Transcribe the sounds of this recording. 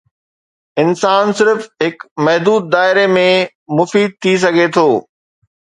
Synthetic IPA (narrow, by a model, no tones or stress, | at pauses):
ɪnsaːnsɪɾfɦɪkmɐɦd̪uːd̪̚ːaːɪɾemẽ | mʊfiːd̪̚t̪ʰis̬ɐɡʱet̪ʰoː